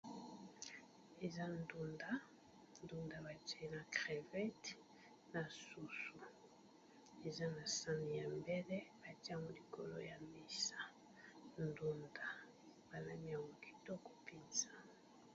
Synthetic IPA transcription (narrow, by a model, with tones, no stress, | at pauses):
e˨za˦ndu˦nda˦ | ndu˦nda˨ba˨ta˦i˦na˨kʁe˨vɛ˦t | na˨su˨su˨ | e˨za˦na˨sa˦ni˨ja˨mbɛ˦lɛ˦ba˨ti˦a˦ŋɡo˨li˨ko˨lo˦ja˨mi˦sa˨ | ndu˦nda˨ | b̥a˨la˦mi˦a˨ŋo˨ki̥˨to˦ko̥˨pi˦nza˨